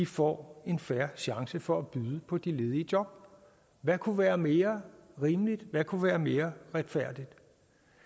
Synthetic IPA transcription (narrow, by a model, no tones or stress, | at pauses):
difɒ̰ːe̝nfæɐɕɑ̈ŋsəfɒ̽æb̥yːð̞ˠəpʰɒ̽d̥ile̝ːð̞ˠiəd̥jɒ̽b̥̚ | ʋækʰuʋæːɐme̝ːɐʁiːmlid̥ʋækʰuʋæːɐme̝ːɐʁad̥fæɐ̰d̥id̥